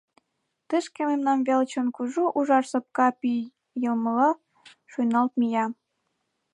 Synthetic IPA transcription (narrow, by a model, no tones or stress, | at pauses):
t̪əʃkĕmemnɑmvelt͡ɕonkuʒuʔuʒɑʃsop̚kɑpi | jəlməlɑ | ʃujnɑlt̪̚mijɑ